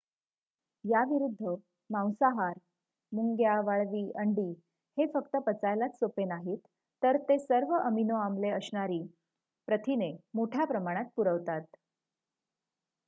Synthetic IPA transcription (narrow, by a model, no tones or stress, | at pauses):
jaʋiɾud̪ʱːə | mãw̃saɦaɾ | muŋɡjaʋaɭʋiːʔəɳɖiː | hefəkt̪əpət͡sajlat͡ssopenaɦit̪ː | əɾt̪esəɾʋəʔəminoamleəsɳaɾiː | pɾət̪ʰinemoʈʰjapɾəmaɽ̃at̪̚puɾəʋt̪at̪